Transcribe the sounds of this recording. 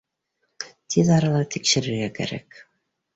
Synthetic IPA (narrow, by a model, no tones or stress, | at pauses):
t̪ʰiðɑɾɑlˠɑt̪ʰikʃɘ̆ɾɘ̆ɾɡækæ̰ɾæ̰k